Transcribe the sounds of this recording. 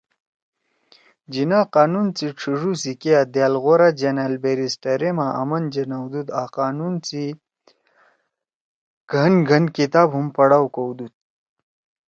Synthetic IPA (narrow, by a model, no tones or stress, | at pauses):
d͡ʑinaqaːnunt͡siʈ͡ʂʰiʐusikead̪jalɣoɾad͡ʑanalbeɾisʈaɾemaʔa̰mɐnd͡ʑenawd̪ud̪aqaːnunt͡si | ɡ̥ʱənɡʱɐnkit̪aːbɦumpɐɽawkowd̪ut̪̚